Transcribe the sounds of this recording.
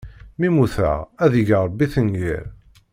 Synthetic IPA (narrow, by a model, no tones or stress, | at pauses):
mimuθə̰ʁæðəʝəɾˤbːiθənɡḭɾ